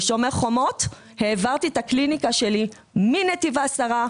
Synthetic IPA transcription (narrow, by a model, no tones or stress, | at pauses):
ʃo̞meʁχo̞mo̞t̪ | he̞ːvaʁt̪it̪aklinikaʃe̞li | minet̪ivasaʁa